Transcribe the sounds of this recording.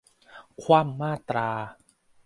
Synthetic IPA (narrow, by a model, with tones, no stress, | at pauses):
kʰwaː˧˩˨mːaː˥˩t̪ɾaː˧